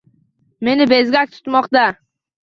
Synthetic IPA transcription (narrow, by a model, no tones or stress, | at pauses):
me̞nɪbe̞zɡʲak̚ʲt̪ʰʊ̥t̪mɒqt̪a